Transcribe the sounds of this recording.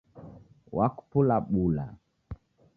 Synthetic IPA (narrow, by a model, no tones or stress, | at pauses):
waku̥pulaɓula̰